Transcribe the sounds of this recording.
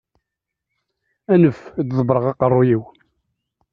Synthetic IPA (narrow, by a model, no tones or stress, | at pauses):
ænəfd̪ðˤəbɾˤəʁɑqərˤːʊjiw